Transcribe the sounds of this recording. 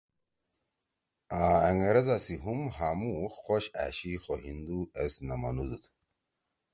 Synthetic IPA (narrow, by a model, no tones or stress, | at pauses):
aːeŋeɾezasiɦumɦamuxoɕa̰ːɕixoɦind̪uesnɐmɐ̰nud̪ut̪